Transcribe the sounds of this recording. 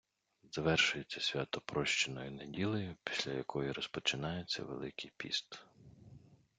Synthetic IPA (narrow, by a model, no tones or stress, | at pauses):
zɐʋɛrʃʊjet͡sʲːɐsʲʋʲat̪ɔpɾɔʃt͡ʃɪnɔjinedʲilˠɔjʊpʲi̥sʲlʲɐ̰jɐkʰɔjiɾɔspɔt͡ʃɪnɑjet͡sʲːɐ̰ʋḛlˠɪkɪjpʲḭst̪